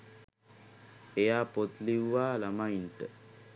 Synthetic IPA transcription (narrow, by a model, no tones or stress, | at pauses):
ejaːpot̪liʋaːlamajnʈə